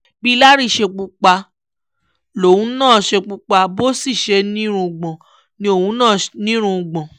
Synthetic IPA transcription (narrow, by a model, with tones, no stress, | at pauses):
bi˦la˦ɾi˦ʃe˧k͡pu˧k͡pa˧ | lo˨wũ˦nãː˦˨ʃe˧k͡pu˧k͡pa˧bo˦si˦˨ʃɛ˧˦nĩ˦ɾũ˧˨ɡ͡bɔ̃˨ | nĩ˧o˧˨wũ˨˦nãː˦˨nĩ˦ɾ̃ũ˧ɡ͡bɔ̃˨